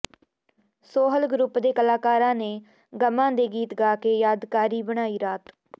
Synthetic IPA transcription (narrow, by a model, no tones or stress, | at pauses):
soːɦəlɡɾʊpd̪eːkəlaːkaːɾãːneː | ɡəmãːd̪eːɡiːt̪ɡaːkeːjaːd̪kaːɾiːbəɽ̃aːiːɾaːt̪